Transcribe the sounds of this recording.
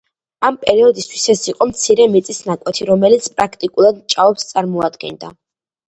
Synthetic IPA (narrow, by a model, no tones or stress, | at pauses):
ampʼɛɾiɔd̪ist̪ʰwisɛsiqʼɔmt̪sʰiɾɛmit̪sʼisnakʼwɛt̪ʰiɾɔmɛlit̪sʰpʼɾakʰt̪ʼikʼulˠad̪mt͡ʃʼaɔpst̪sʼaɾmɔad̪ɡɛ̰nd̪a